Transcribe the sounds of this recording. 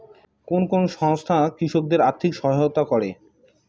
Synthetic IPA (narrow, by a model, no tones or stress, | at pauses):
konkonoʃɔŋst̪ʰakɾiʃok̚d̪eɾaɾt̪ʰikʃɔɦaot̪akɔɾe